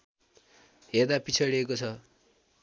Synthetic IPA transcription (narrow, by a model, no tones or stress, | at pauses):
ɦerd̪apit͡sʰʌɽiekot͡sʰʌ